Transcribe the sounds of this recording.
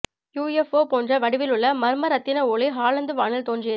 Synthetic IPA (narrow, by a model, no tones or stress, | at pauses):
juːjɛfoːpoːndrɐʋɐɽɪʋɪlɯɭːɐmɐɾɯmɐɾɐt̪ːɪnɐoːɭiɦaːlɐnd̪ɯʋaːɳɐlt̪oːnd͡ʒɪjɐ